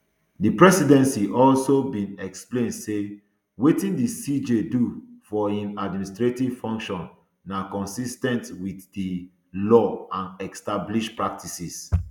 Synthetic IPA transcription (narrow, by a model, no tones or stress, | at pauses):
dipɹɛsidɛ̃nsiʔɔlsobĩnɛksplẽndse | wetĩndisid͡ʒedufɔĩnadministɹetiv̥fɔ̃ŋkʃɔ̃nː | akɔ̃nsistɛ̃ntwiθdi | lɔãnɛkstabliʃpɹak̚tʰisis